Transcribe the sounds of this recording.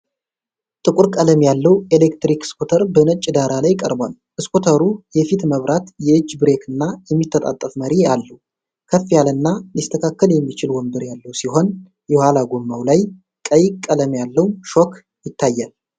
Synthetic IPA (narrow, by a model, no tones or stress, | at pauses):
t̪ʼɨkʷʼʊɾkʼələmjalːəwelekt̪ɾikɨ̥skot̪ʰəɾbənət͡ʃʼɪd̪aɾalajkʼə̰ɾbal | ʔɨskot̪ʰəɾujɛfit̪məβɾat̪jɛɨd͡ʒːbɾe̞kʰɨnːajɛmːit̪ʰːət̪ʼa̰t̪ʼːəfməɾialːəw | kʰəfːijalɨnːalist̪ʰəkʰakːəljɛmːit͡ʃɪlwɔmbɨɾjalːəwsiɦo̞n | jɛwhalaɡomːawlaj | kʼəjkʼːələmjalːəwʃok | jɪt̪ʰːajːal